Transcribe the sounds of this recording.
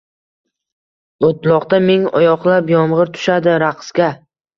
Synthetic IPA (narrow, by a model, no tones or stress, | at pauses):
ot̪lˠɒqt̪ameŋɒjɒqlˠapjɒmʁɨɾt̪ʰʊ̥ʃad̪ɪɾaqskʲa